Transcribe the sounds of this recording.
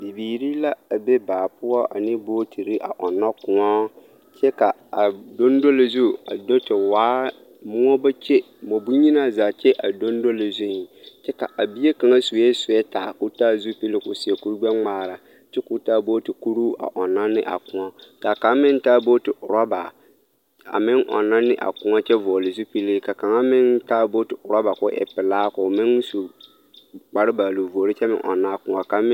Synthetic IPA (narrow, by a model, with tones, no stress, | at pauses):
bi˨biː˨ɾi˦la˦a˨be˦baː˨pʊ˦ɔ˦a̰˨nɪ˦boː˦tʰi˨ɾɪ˦ʔa̰˨ʔɔ˨nːɔ˦kʊ˨ɔ˦ | t͡ʃɛ˦ka˨a˨do˦ndo˦lɪ˨zu˦a̰˨do˦tɪ˨waː˨˦ | mʊ˦ɔ˦ba˦t͡ʃɛ˦ | mo˨bu˦ɲi˦na˦zaː˨t͡ʃɛ˦ʔa˨do˦n˦do˦lɪ˨zʊ˦n˨t͡ʃɛ˦ka̰˨ʔa˨bi˦e˦ka˨ŋa˦su˨˦ɛ˦sʊ˨jɛ˦taː˨ku˦taː˦zu˦pi˦lɪ˦kʊ˨sɪ˨e˨ku˦ɾɡ͡bɛ˦ŋ͡maː˨ɾa˨ | t͡ʃɛ˦kʊ˦taː˦bo˦tɪ˨ku˦ɾu˦ʔa̰˨ʔɔ˨na˦nːɪ̰˦ʔa̰˨kʊ˦ɔ˦ka˨ka˨˦mɪ˦n˦taː˦bo˦tɪ˨ʔʊ˨ɾɔ˦ba˨ | a̰˨mɪ˦ŋʔɔ̰˨nːa˦nɪ˦ʔa̰˨kʊ˦a˦t͡ʃɛ˦vɔ˨o˨lɪ˨zu˦pi˦lɪ˦ka˨ka˨ŋa˦mɪ˦ntaː˦bo˦tɪ˨ʔʊ˨ɾa˦ba˨kʊ˦ʔɛ̰˨pɪ˨laː˦kʊ˨mɪ˦nsu˨ | k͡pa˨ɾɪ˦ba˨lo˨vu˨o˨ɾɪ˦t͡ʃɛ˦mɪ̰˦ŋʔɔ̰˨nːa˦kʊ̃˨a˨ka˨mɪ˦